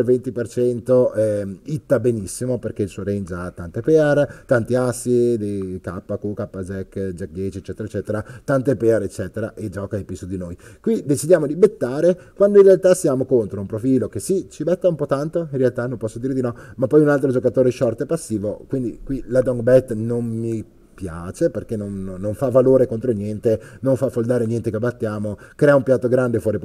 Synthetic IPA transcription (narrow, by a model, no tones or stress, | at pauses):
lvent̪ipert͡ʃɛnt̪oɛit̪ːabenisːimoperk̟eilsuoɾend͡ʒat̪ːant̪epɛaɾt̪ant̪iasːid̪ikapːakukapːazɛkːd͡ʒɛk̚d̪jɛːt͡ʃiet͡ʃːɛːt̪eɾaet͡ʃːɛːt̪eɾat̪ant̪epɛaɾet͡ʃːɛːt̪eɾa̰ʔed͡ʒɔːkaepisud̪inojkwid̪et͡ʃid̪jaːmod̪ibet̪ːaːɾekwand̪oinrealt̪asjaːmokont̪ɾoumpɾofiːlokesit͡ʃibɛt̪ːaumpɔt̪ant̪oinrːealt̪anompɔsːod̪iːɾed̪inɔmapːɔjunalt̪ɾod͡ʒokat̪oːɾeʃɔrt̪oepasːiːvokwind̪ḭkwilad̪ɔŋɡbɛt̪ːnommi | pjaːt͡ʃeperk̟enːonːoɱfavːaloːɾekont̪ɾonjɛnt̪enoɱfafold̪aːɾenjɛnt̪ekebːat̪ːjaːmokɾɛːaumpjat̪ːoɡɾand̪efwɔːɾip